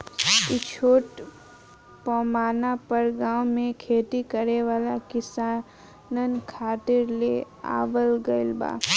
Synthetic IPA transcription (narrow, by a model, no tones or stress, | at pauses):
ɪt͡ʃʰoːʈ | pɔːmaːnapəɾɡãːwmẽkʰeːt̪ikəɾeʋaːlakɪsaːn | nənkʰaːt̪ɪɾle | a̰ːʋəlɡəɪlba̰ː